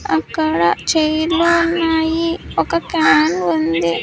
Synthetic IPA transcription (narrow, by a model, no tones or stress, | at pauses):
ɐkːɐɽɐt͡ʃejluunːaːjiɔkɐkaɳɐɳund̪i